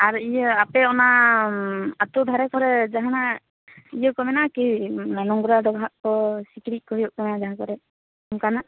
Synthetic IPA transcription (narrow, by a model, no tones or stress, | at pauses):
aɹijɔapɛɔna | atubʱaɾɛkʰɔɾɛd͡ʒaɦana | ijɔkɔmɛnakinanɔŋɡuɾadɔɡʱaʔkɔsikɾit̚ˀkɔɦijɔʔkɔmɛnazaɦãkɔɾɛ | ɔmkana